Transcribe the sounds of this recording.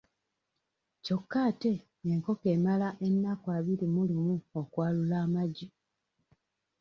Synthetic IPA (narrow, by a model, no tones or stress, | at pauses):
co̞kːaːte̞ː | ŋko̞ke̞ːmalaʔe̞nːakwaːβiɾimulimuokwaːlulaːmaɟi